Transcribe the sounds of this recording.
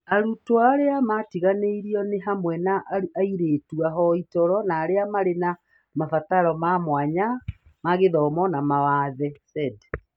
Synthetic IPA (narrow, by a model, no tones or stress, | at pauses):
aɾutoaɾeamatiɣaneiɾiɔneɦamwɛnaʔuaiɾeːtuaɦɔitɔɾɔnaːɾeamaɾena | mafataɾɔmamwaɲa | maɣeðɔːmɔnamawaðɛsɛdɛ